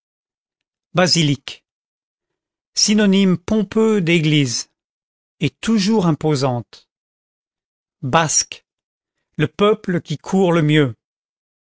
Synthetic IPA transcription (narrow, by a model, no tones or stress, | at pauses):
bazilik | sinɔnimpɔ̃pød̪eɡliz | et̪uʒuʁɛ̃pozɑ̃t̪ | bask | ləpœpləkʲikʰuʁləmjø